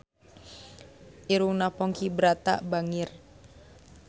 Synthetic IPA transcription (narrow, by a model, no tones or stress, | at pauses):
ʔiɾuŋnapɔŋkibəɾat̪a̰ʔbaŋɪr